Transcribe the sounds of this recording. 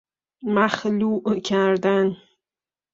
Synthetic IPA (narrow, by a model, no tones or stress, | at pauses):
maχluʔəkʲʰard̪an